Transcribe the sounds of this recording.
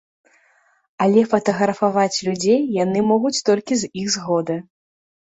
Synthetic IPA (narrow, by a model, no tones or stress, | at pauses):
ɐlʲɛfɐt̪ɐɣɾɐfavat͡sʲlʲud͡zʲejːanɨmɔɣut͡sʲt̪ɔlʲkʲizixzɣɔd̪ɨ